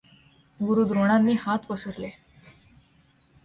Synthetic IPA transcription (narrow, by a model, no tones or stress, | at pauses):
ɡuɾuːd̪ɾoɽ̃anːiːhat̪pəsəɾle